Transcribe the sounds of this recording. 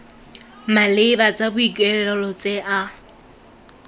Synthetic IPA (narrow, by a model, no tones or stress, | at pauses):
malɪbat͡sʼabʊikʼwɛlɛlɔlɔt͡sʼeʔa